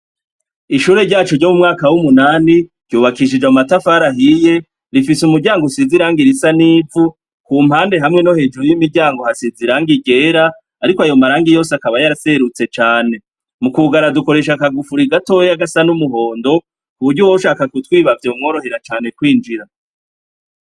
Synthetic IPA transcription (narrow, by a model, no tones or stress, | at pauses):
iʃuːɾe̞ɾɟaːt͡ʃoɾɟomumŋaːkawumunaːniɾɟ̥uːβakiʃ̬id͡ʒaumatafaɾaɦije̞ | ɾifisumuɾɟaːŋɡosiziɾaːŋɡiɾisaniːvu | kuːm̥haːnde̞ɦamŋe̞no̞he̞ːd͡ʒuɾujimiɟaːŋɡo̞hasiziɾaːŋɡiɡe̞ːɾaː | ɾikoajo̞maɾaːŋɡijo̞ːseakaβajaɾaseɾut͡se̞t͡ʃaːne̞ | mukuɡaɾaduko̞ɾe̞ʃakaɡufuɾiɡato̞jejaɡasanumuɦo̞ːndo̞ | uβuɾɟuwoʃaːkakutwiːβavjeumŋo̞ːɾo̞ɦe̞ɾat͡ʃaːne̞kwiːnd͡ʒiɾa